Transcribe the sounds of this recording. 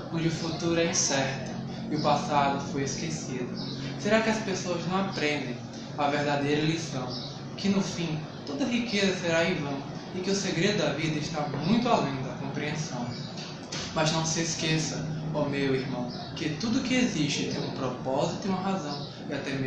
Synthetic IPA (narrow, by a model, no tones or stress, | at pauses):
kõd͡ʒɪʊfut̪uɾʊɛsɛɾt̪ʊ | ɪʊpasad̪ʊfojeskesid̪ʊ | seɾakɪɐspesoɐznɐ̃w̃apɾẽnd̪ẽj̃ | ɐveɾd̪ad̪ejɾɐlisɐ̃w̃ | kɪnʊfĩ | t̪od̪ɐɦikezɐseɾaivɐ̃w̃ | ɪkɪʊseɡɾed̪ʊd̪ɐvid̪ɐɪʃt̪amũj̃t̪ʊalẽj̃d̪ɐkõpɾiẽsɐ̃w̃ | mɐznɐ̃w̃sɪeskesɐɔmewihmɐ̃w̃ | kɪt̪ud̪ʊkɪeziʃt͡ʃɪt̪ẽj̃ũpɾɔpɔzit̪ʊiũmɐɦazɐ̃w̃ | ɪat̪ɛme